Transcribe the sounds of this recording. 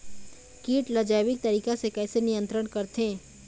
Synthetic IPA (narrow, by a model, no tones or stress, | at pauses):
kiːʈlɐd͡ʒaːʋɪk̚t̪ɐɾiːkasekɛːsenɪjə̃nt̪ɾəɳkɐɾt̪ɦẽː